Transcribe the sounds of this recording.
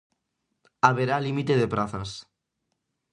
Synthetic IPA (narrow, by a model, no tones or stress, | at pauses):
aβ̞eɾalimit̪eðepɾaθas